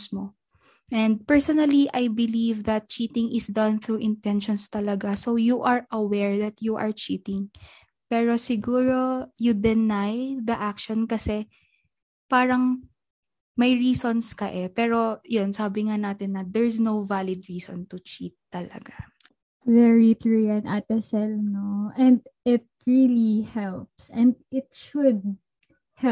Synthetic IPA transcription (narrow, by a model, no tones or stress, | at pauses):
smo | ʔɛnd̪̚pɛɹsɔnɐliʔɐjbɪlivd̪ɐt̪̚t͡ʃit̪ɪŋʔɪsd̪ɐ̃nθɹuʔɪ̃nt̪ɛnʃɔnst̪ɐlɐɡasowjuʔɐɹʔɐwɛɹd̪ɐt̪juʔɐɹt͡ʃiːt̪ɪ̃ŋ | pɛːɹosɪɡuːɹo̞jʊd̪ɛnajd̪ɐʔak̚ʃɔnkɐsɛ | paːɾɐŋ | mɐjɹiːsonskɐʔɛpɛːɾo̞jonsaːbɪŋanaːt̪ɪnːɐd̪ɛɹsnowvalɪd̪̚ɹiːsɔ̰nt̪ʊt͡ʃit̪ːɐlɐ̰ɡa | vɛɹit̪ɹujɐnʔat̪ɛsɛlnoʔɛ̃nd̪̚ɪt̪̚ɹilihɛlpsɛ̃nd̪̚ɪt̪̚ʃʊd̪̚ | hɛ